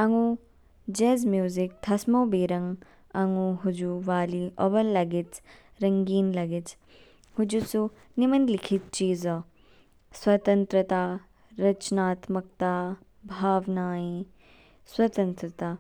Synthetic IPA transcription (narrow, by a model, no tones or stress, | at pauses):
ɐŋu | d͡ʒeːzmjuːzik̚t̪ʰɐsmoːbeːɾɐŋɡ | ɐŋuɦud͡ʒuʋaːliʔɔbɐlːɐɡit͡s | ɾɐŋɡiːnlɐɡit͡s | hud͡ʒusu | nimɐnd̪likʰit̪̚t͡ʃiːzɐ | swɐt̪ɐnt̪ɾɐt̪aː | ɾɐt͡ʃnaːt̪mɐk̚t̪aː | bʱaːʋnaːi | swɐt̪ɐ̃nt̪ɾɐt̪aː